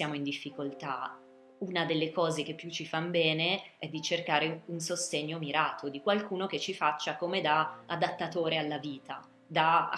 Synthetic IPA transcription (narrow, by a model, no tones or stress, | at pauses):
sjaːmoind̪ifːikolt̪a | unad̪elːekɔːzek̟epːjut͡ʃːifanbɛːneɛd̪ːit͡ʃerkaːɾeunsost̪eɲːomiɾaːt̪ʰod̪ikwalkuːnoket͡ʃːifat͡ʃːakomed̪aad̪at̪ːat̪oːɾealːaviːt̪a | d̪a